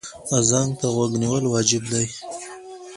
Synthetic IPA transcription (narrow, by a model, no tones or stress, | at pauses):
azɑŋɡt̪aɣwaɡniwəlwɑd͡ʒɪbd̪aj